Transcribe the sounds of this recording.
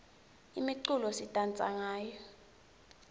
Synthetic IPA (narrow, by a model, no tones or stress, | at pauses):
imiǀulɔsitʼant͡sʼa̰ŋaːjɔ